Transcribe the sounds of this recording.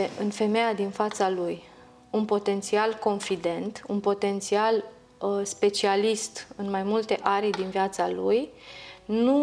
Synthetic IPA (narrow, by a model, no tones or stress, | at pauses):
eʔɨnfe̞me̞jad̪infat̪saluj | unpo̞t̪e̞nt̪sialko̞nfid̪e̞nt̪unpo̞t̪e̞nt̪sial | spe̞t͡ʃialist̪ɨnmajmult̪e̞ʔaɾd̪inviat̪saluj | nu